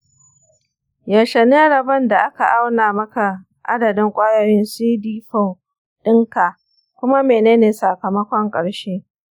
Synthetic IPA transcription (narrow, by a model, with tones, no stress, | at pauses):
ja˨ʃɐ˨neː˦ɽɐ˨bɐ˦nda˨ʔa˦ka˨ʔa˦wnaː˨mɐ˦ka˨ | ʔa̰˦dɐ˨dɪ˦ŋkʷʼaː˦jɐ˨ɽɪ˦nsiː˦diː˦ɸɔ˦˨w | ɗɪ˦ŋka˨ | kʷʊ˦ma˦meː˨neː˦neː˨sa˨kɐ˨mɐ˦kʷɔ˦ŋkʼɐ˨ɽʃeː˦